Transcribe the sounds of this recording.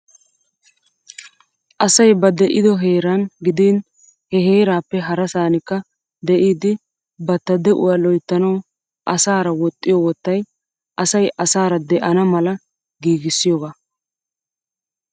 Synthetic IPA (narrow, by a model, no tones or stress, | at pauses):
ʔɐsɐjbɐd̪ɛʔɪd̪ɔɦeːɾɐnɡɪd̪in | hɛɦeːɾaːpːɛɦɐɾɐsaːnɪkːɐ | d̪ɛʔiːd̪ɪ | bɐt̪ːɐd̪ɛʔʊ̰waːlɔjt̪ːɐnɐw | ʔɐsaːɾɐwɔt̪ʼːɪjɔwɔt̪ːɐj | ʔɐsɐjʔɐsaːɾɐd̪ɛʔɐnɐmɐlɐ | ɡiːɡɪsːɪjɔɡaː